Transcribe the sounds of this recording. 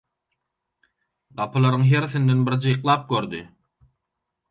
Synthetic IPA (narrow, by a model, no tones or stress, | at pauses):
ɢɑpʰɯlˠɑɾɯŋɦeɾθind̪e̞nbiɾd͡ʒɯjqlˠɑːp̚køɾd̪i